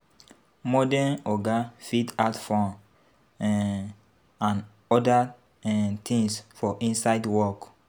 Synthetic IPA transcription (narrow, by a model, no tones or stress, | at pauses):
mɔdɛnɔɡafidatfɔ̃n | ãn | ɔda | ɛt̪ʰĩŋsfɔʔĩnsajdwɔk